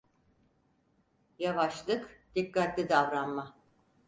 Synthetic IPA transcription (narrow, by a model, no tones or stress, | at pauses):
javaʃlˠɯkd̪̥ikːat̪lʲid̪avɾanma